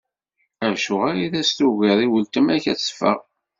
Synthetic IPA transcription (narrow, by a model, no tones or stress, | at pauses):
ævʃʊʁaɾiðæst̪uɣiðˤiwəlt̪əmæçæ̰t͡sːfə̰ʁ